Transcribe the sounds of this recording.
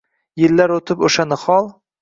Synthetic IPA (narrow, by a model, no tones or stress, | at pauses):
jɪlːaɾot̪ʰɪpoʃanɪχɒlˠ